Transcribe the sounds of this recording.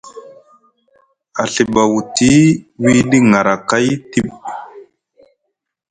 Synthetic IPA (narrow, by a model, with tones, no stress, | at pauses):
a˨ɬi˨ba˨wu˨ti˦wi˦ɗi˦ŋa˨ɾa˨ka˦jti˦ɓ